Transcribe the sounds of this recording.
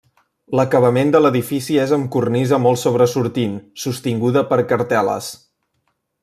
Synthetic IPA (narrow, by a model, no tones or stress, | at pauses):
ləkəβəmend̪ələðifisiezəmkurnizəmɔlˠsoβ̞ɾəsuɾt̪insust̪iŋɡuðəpəɾkəɾt̪ɛlə̰s